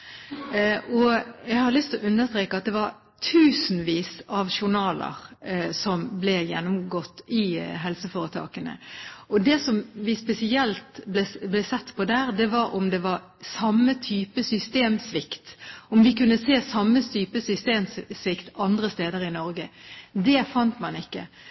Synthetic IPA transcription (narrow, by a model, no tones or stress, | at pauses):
ʔɔjæɪhɑɾlʏst̪ʰlɔʔʉnd̪əst̪ɾeːkəɑt̪̚d̪ɛʋɑɾ | t̪ʰʉːsn̩ʋiːsɑʋʃʊɾnɑːlə̰ʁsɔmblɛjɛnːʊmɡɔt̪ːɪɦɛlsəfoːɾət̪ʰɑ̰ːkənə̰ʔɔd̪ɛsɔmʋɪspɛsɪɛlt̪blɛblɛsɛt̪ːpʰɔd̪æːɾd̪ɛʋɑɾʊmd̪ɛʋɑɾ | sɑmːət̪ʰyːpəsʏst̪eːmsʋɪkt̪ɔmʋɪkʉnːəseːsɑmːət̪ʰyːpəsʏst̪eːmssʋɪkt̪ɑnd̪ɾəst̪eːd̪əɾɪnɔɾɡəd̪ɛfɑnt̪mɑnɪkːə̰